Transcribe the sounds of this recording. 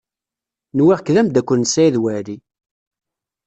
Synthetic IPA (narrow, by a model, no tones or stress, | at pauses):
nwiʁkðæmd̪ækʷːənːsːæjðwæɾi